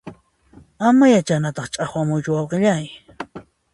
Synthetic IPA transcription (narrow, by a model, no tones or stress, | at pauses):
amajat͡ʃanat̪ɑχt͡ʃʼaχwamʊjt͡ʃʊwɑwqɪʎaj